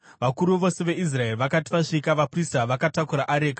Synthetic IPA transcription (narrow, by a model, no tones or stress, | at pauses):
ʋakuɾuʋo̞se̞ʋe̞ʔis̬rae̞riʋakati̥ʋaʂikaʋapristaʋakatakuɾaʔaɾe̞ːkḁ